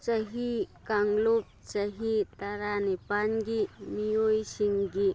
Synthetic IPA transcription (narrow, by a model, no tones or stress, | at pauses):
t͡ʃɐɦikaŋlup̚t͡ʃɐɦit̪aɾanipanɡimijojsiŋɡi